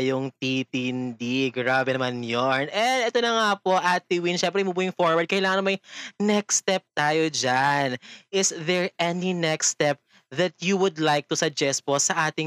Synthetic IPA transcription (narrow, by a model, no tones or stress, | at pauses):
jʊŋt̪it̪ɪnd̪iɡɾaːbɛnɐmanjonʔɛd̪ɛt̪onɐŋapo̞ʔat̪ɪwinʃɛmp̬ɾɛmubuːɪŋfoɹwɐɹd̪̚kɐjɪlaːŋɐnɐmɐjnɛkst̪ɛp̚t̪aːjod͡ʒanʔɪsðɛɹʔɛninɛkst̪ɛp̚ | ðɐt̪juwʊd̪lajk̚t̪ʊsɐɡ̚d͡ʒɛst̪̚posɐʔaːt̪ɪ